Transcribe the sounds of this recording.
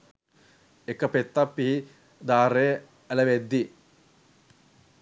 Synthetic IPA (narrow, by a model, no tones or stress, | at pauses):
ekːɐpet̪ːɐpːiɦi | d̪aːɾe | ælɐʋed̪ːi